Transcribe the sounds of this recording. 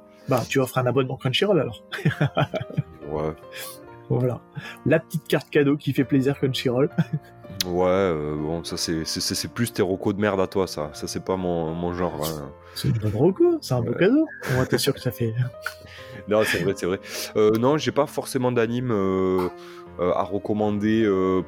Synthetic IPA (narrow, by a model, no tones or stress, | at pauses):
bat̪yvafɛʁɛ̃nabɔnmɑ̃kɛnʃiʁɔlalɔʁ | wɛ | vvwala̰lapə̥t̪it̪̚kaʁt̪kad̪okʲifɛpleziʁkənʃiʁɔl | wɛøbɔ̃sasɛsɛsɛsɛplyst̪eʁokod̪əmɛʁd̪at̪wasa̰sasɛpamɔ̃mɔ̃ʒɑ̃ʁɛ̰̃ | sɛynbɔnʁokosɛɛ̃bokad̪oɔ̃vwat̪ɛsyʁkət̪afɛ | nɔ̃sɛvʁɛsɛvʁɛønɔ̃ʒepafɔʁsemɑ̃d̪animø | a̰ʁəkɔmɑ̃d̪eø